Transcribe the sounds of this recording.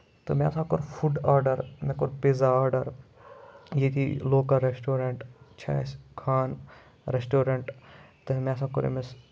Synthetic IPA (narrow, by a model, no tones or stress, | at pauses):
t̪oma̰ːsãːkoɾfʰuɖaːɾɖɐɾmẽkoɾpeːzaaːɾɖɐɾ | jet̪ʰiloːkɐlɾesʈoːɾeɳʈt͡ʃʰɐ̰ːskʰaːn | ɾesʈoːɾeɳʈt̪ɐmẽsãːkoɾḛmes